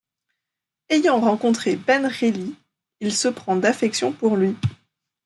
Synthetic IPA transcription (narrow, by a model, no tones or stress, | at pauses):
ejɑ̃ʁɑ̃kɔ̃t̪χebɛnʁeli | ilsəpχɑ̃d̪afɛksjɔ̃puʁlɥi